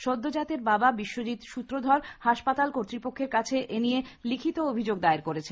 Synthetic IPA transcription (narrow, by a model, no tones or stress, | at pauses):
ʃod̪ːod͡ʑat̪eɾbababiʃːod͡ʑit̪ʃut̪ːɾod̪ʱɔɾhaʃpat̪alkoɾt̪ɾipokʰːeɾkat͡ɕʰeʔenijelikʰit̪oobʱid͡ʑoɡd̪aeɾkoɾet͡ɕʰe